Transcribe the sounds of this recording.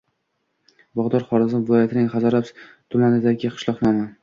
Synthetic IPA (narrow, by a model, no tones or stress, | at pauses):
bɒʁd̪ɒɾχɒɾɪzɪvɪlˠɒjat̪ʰɪnɪŋχazɒɾap | t̪ʰʊmanɪd̪aɡʲɪqʰɨ̥ʃlˠɒqnɒma